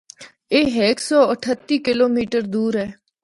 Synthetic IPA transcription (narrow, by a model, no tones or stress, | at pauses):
eːɦeːksɔːəʈʰət̪ːiːkɪloːmiːʈəɾd̪uːɾɦɛː